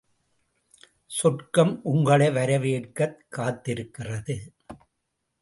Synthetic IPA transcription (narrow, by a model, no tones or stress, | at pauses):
sɔʈkɐmʔʊŋɡɐɭɐɪʋɐɾɐʋeːʈkɐt̪̚kaːt̪ːɪɾɯkːɪrɐðɯ